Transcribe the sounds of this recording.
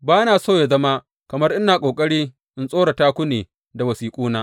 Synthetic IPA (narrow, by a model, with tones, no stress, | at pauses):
baː˦naː˨soː˦˨ja˨zɐ˦ma˦ | kɐ˨mɐ˦rʔɪ˦naː˨kʷʼoː˨kʼɐ˦ɽiː˦ | ʔɪ˦nsʼoː˦ɽa˨taː˦kʷʊ˦neː˨ | da˨wɐ˨siː˨kʷʼuː˦naː˦